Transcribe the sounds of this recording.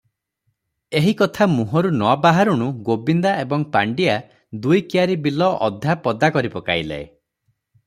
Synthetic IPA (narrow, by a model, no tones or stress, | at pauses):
eɦikɔt̪ʰamuɦɔɾunɔbaɦaɾuɽ̃uɡobind̪aebɔŋpaɳɖia | d̪ujkiaɾibilɔʔɔd̪ʱapɔd̪akɔɾipɔka̰jlḛe